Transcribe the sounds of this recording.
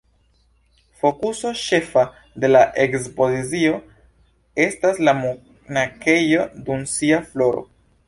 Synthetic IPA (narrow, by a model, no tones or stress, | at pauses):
fo̞kuso̞ʃe̞fa | de̞laʔe̞kspo̞zizio̞ | e̞staslamu | nake̞jo̞dumsiaflo̞ɾo̞̰